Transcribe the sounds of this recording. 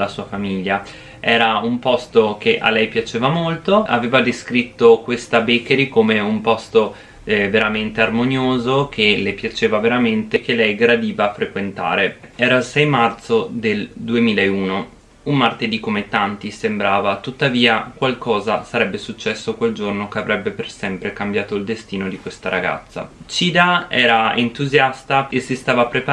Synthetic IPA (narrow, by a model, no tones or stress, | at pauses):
lasuːafamiʎːa | ɛːɾaumpɔst̪ok̟eʔa̰lɛjpjat͡ʃeːvamolt̪oa̰veːvad̪eskɾit̪ːokwest̪abekeɾikomeumpɔst̪o | veɾament̪earmonjoːzok̟elepjat͡ʃeːvaveɾament̪ekelɛjɡɾad̪iːvaːfɾekwent̪a̰ːɾeɛːɾailsɛjmart̪sod̪eld̪uemiːlaeuːno | ummart̪ed̪ikomet̪ant̪isembɾaːvat̪ut̪ːaviːakwalkɔːzasaɾɛbːesut͡ʃːɛsːokweld͡ʒornokeavɾʔɛbːepersɛmpɾekambjaːt̪oild̪est̪iːnod̪ikwest̪aɾaɡa̰t̪sːa̰t͡ʃiːd̪aɛːɾaent̪uzjast̪aesist̪aːvapɾepa